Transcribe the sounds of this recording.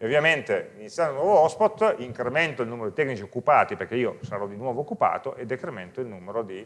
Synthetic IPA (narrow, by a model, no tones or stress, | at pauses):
ovjament̪eminisjanonwɔːvoɔspot̪ːiŋkɾement̪oilnuːmeɾod̪it̪ɛknit͡ʃiokːupaːt̪iperk̟eiːosaɾɔd̪inwɔːvoːkːupa̰ːt̪oʔed̪ːekɾement̪oilnumeɾod̪i